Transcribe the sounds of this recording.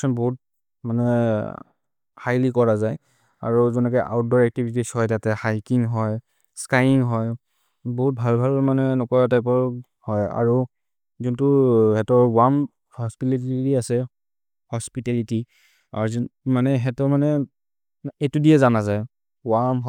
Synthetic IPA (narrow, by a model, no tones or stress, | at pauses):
sɔnbɔɦut̚ | manɛ | hajlikɔɹazaj | a̰ɹuzɔnɔkɛʔa̰ʊt̚dɔɹɛk̚tibʱitishɔjtatɛhajkiŋɦɔj | skajiŋɦɔj | bɔɦut̚bʱalbʱalmanɛnɔkɔɹatajp̬ɔɹ | hɔja̰ɹu | zuntuhɛtɔɹwam | hɔspilitiɹiasɛ | hɔspitɛliti | a̰ɹzmanɛɦɛtɔɹmanɛ | etudiɛzanazaj | wamɦ